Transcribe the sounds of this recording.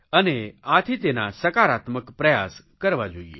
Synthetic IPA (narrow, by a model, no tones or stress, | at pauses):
əneat̪ʰit̪enasɐkaɾaːt̪məkpɾɐjaːs | kəɾʋad͡ʒo̰ːiḛ